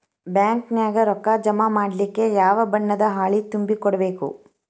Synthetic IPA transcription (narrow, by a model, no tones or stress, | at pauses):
bjaːŋknjaːɡɐɾɔkːad͡ʒɐmaːmaːɽlikːe̞jaːʋɐbɐɳːɐd̪ɐɦaːɭit̪umbikɔɽɐbe̞ːkṵ